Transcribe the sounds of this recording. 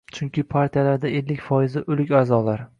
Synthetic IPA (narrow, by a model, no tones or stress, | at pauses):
t͡ʃʰʊŋkʲʰɪpʰaɾt̪ʰijalaɾd̪ae̞lːɪkʲfɒɪzɪʔɵlɪkʲaːzɒlaɾ